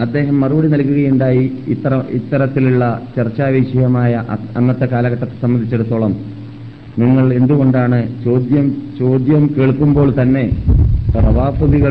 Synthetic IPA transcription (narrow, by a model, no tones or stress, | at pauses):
ɐd̪ːe̞ːɦɐmːɐruʋɐɽinɐlkːuɣɐjuɳɖaːjiɐɐḭt̪ːɐɾɐt̪ːiluɭːɐt͡ɕɐrt͡ɕːaːʋeɕjɐjɐmaːjɐʔɐnːɐt̪ːekaːlɐɣɐʈːɐt̪ːe̥sɐmːɐnd̪ʱit͡ɕːe̞ɽut̪ːo̞ːɭɐm | niŋːɐɭe̞nd̪uɣo̞ɳɖaːɳɨt͡ɕoːd̪jɐmt͡ɕo̞ːd̪jɐmkeːɭkːumbo̞ːɭt̪ɐnːe̞prɐʋaːbɐðiɣɐ